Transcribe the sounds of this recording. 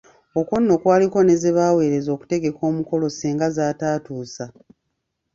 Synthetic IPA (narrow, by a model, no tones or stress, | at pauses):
o̞kwonːo̞kwaːliko̞ne̞ziβaːwe̞ːɾe̞zo̞ːku̥te̞ɡe̞ko̞ːmuko̞lo̞siːŋɡazaːtaːtuːsa